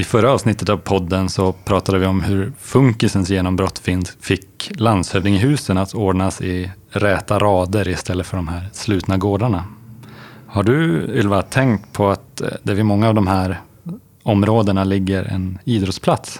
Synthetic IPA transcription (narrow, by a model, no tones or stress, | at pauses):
ɪfœɾːaɑːvsnɪt̪ːət̪avpʰɔd̪ːənsɔpʰɾɑːt̪ad̪əvɪɔmhɵɾfɵŋkɪsənsjeːnɔmbɾɔt̪ːfɪnfɪkland̪shœːvnɪŋɪɦʉ̟ːsənat̪ʰoːɖɳasɪɾɛːt̪aɾɑːd̪əɾɪst̪ʰɛlːəfœɖɔmɦæːɾslʉ̟ːt̪naɡoːɖaɳa | haɖɵɪlvat̪ʰɛŋkt̪pʰɔat̪d̪ɛvɪmɔŋːaːvd̪ɔmɦæːɾ | ɔmɾoːd̪əɳalɪɡːəɾɛ̰niːd̪ɾɔt̪spʰlat̪s